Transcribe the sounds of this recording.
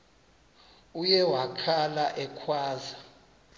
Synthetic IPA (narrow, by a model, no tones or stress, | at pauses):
ujɛwakʰalaʔɛkʰwaːza